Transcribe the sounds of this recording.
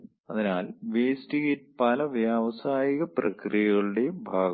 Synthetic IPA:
ɐðinaːlʋeːstiɣetpɐlɐʋjaːʋɐsaːjiɣɐprɐ̰krijɐɣɐɭɨɽe̞jumbʱaːɡɐ

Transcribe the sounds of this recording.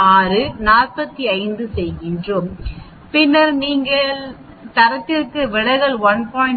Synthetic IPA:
aːɾɯnaːrpɐt̪ːiɐɪnd̪ɯsɛjɣɪndrom | pɪnːɐɾniːŋɡɐɭɭ | t̪ɐɾɐt̪ːɪrkɯʋɪɽɐɣɐɭʋɐnpaːɪ

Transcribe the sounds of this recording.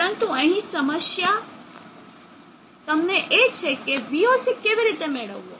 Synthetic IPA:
əɾənt̪uəɦĩsəməsja | t̪əmneʔet͡ʃʰekebiosʰekeʋiɾit̪emeɭəʋuo

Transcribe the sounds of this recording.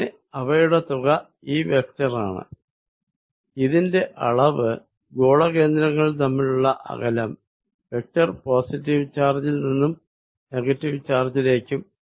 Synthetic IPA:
e | ɐʋɐjuɽet̪uɣɐ | iːʋe̞k̚tɐra̰ːɳɨ̰ | iðinde̞ʔɐɭɐʋɨ | ɡo̞ːɭɐke̞ːnd̪ɾɐŋːɐɭt̪ɐmːiɭuɭːɐʔɐ̰ɣɐlɐm | ʋek̚tɐrpo̞ːsitːiʋt͡ɕaːrd͡ʑilninːum | ne̞ɣɐtːiʋt͡ɕaːrd͡ʑile̞ːkʲːum

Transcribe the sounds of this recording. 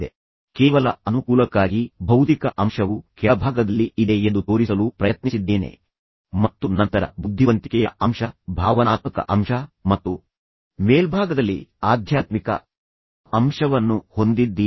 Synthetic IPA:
e | kɛːʋɐlɐ̰ɐnukuːlɐkːaːɡibʱɐwt̪ikɐʔɐmʂɐʋukɛbʱaːɡɐd̪ɐlːiʔid̪eend̪ut̪o̞ːɾisɐlupɾɐjɐt̪nisid̪ːeːne̞̰ | mɐt̪ːunɐnt̪ɐɾɐ̰bud̪ʱːiʋɐnt̪i̥kɛjɐ̰ɐmʂɐbʱaːʋɐnaːt̪̚mikɐ̰ʔɐmʂɐmɐt̪ːu | meːlbʱaːɡɐd̪ɐlːḭaːd̪ʱjaːt̪mikɐ̰ | ɐmʂɐʋɐnːuho̞nd̪id̪ːi

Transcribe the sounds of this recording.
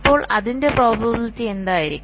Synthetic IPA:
pːo̞ːɭɐðinde̞proːbʱɐbiltːiend̪aːjiɾikʲː

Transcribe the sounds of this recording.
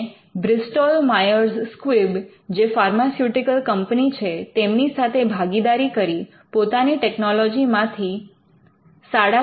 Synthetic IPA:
bɾɪsʈolmajəɾzskʋib | d͡ʒefaɾmasjuʈikəlkəmpnit͡ʃʰet̪emnisat̪ʰebʱaɡid̪aɾikəɾi | pot̪aniʈeknɔlɔd͡ʒimãt̪ʰi | saɽa

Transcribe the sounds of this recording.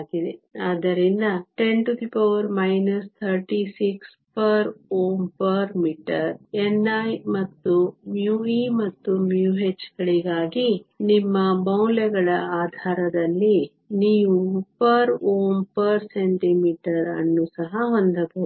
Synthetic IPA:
ɡid̪eaːd̪ɐɾind̪ɐʈe̞ɳʈut̪ʰipoːɾmɐjnɐst̪ʰɐɾʈisiks | pɐɾoːmpɐɾmiːʈɐɾenːɐjmɐt̪ːumjuimɐt̪ːumjuːɦet͡ʃːɡɐɭiɡaːɡinimːɐbɐwlɛɡɐɭɐaːd̪ʱaːɾɐd̪ɐlːi | niːʋupɐɾoːmpɐɾseɳʈimiːʈɐɾɐ̰nːusɐɦɐɦond̪ɐbo

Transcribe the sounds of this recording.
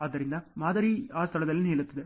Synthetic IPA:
ɐðɐɾɪnd̪amaːðɐɾiaːst̪ɐlɐðɐlneːlɐt̪ːɐðɯ

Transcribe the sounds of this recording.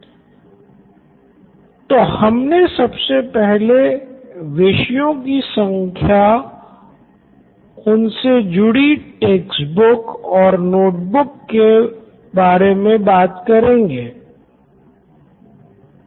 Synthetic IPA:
t̪ohɐmnesɐbsepɛɦle | ʋɪʃjõkisɐ̃ŋkʰja | ʊnsed͡ʒʊɽiʈeːksbʊkɔːɾnoːʈ̚bʊkːe | baːɾemẽbaːt̪kɐɾẽːŋɡeː

